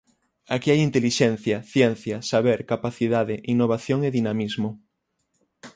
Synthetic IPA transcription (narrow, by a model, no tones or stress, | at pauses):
akiajint̪eliʃɛn̟θjɐθjɛn̟θjɐsaβeɾkapaθiðaðɪʔinːoβ̞aθjoŋeðinamizmʊ